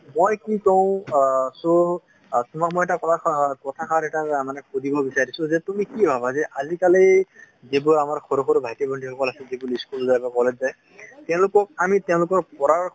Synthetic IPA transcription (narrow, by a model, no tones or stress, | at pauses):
mojkikɔʊ̃so | tumamojɛtakɔtʰakɔtʰakʰaɾɛtamanɛkʰudibɔbisaɹisʊ̃zɛtumikibʱabʱazɛʔazikalej | zibuamaɹxɔɾɔxɔɾbʱajtibɔndʰixʰɔkɔlasɛzibuliskulzajbɔkɔlɛd͡ʑzaj | tɛʊ̃lʊkɔk̚amitɛʊ̃lʊkɔɹpɔɹaɹ